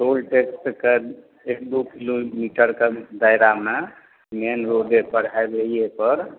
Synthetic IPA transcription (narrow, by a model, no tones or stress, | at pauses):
solʈeksʈke | ek̚d̪ukilomiʈəɾked̪ajɾame | menɾoɖepəɾabeiepəɾ